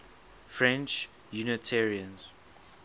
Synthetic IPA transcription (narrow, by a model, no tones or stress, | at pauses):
fɹɛ̃nt͡ʃ | junətʰɛɹiə̃nz̥